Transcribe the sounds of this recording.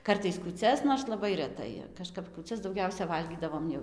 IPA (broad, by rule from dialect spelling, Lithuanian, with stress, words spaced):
ˈkɐrtɐɪs kuːˈt͡sʲɛs noːrs lˠɐˈbɐɪ rʲɛˈtɐɪ kɐˈʃkɐp kuːˈt͡sʲɛs dɐʊˈɡʲɛʊsʲɛ ˈʋɐlʲɡʲiːdɐʋoːm jɛʊ